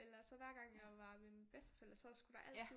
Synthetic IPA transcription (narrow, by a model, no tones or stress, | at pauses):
elɐsɒ̽ʋæɐ̰ɡ̥ɑ̈ŋ̰jɑʋɑ̈ʋemi̥b̥esd̥ə̥fel̰əsɒ̽sɡ̥ud̥ɑ̈ʔæl̰t͡sð